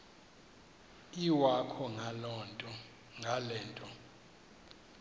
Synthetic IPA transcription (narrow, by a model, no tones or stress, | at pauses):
iwakʰɔŋʱalɔntʼɔ | ŋʱalɛːntʼɔ